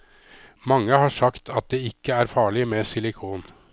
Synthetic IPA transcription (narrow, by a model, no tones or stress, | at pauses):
mɑŋːəhɑːʂɑkt̪ʰɑt̪̚d̪eːɪkːəæːɾfɑːɭɪmeːsɪlɪkʰuːn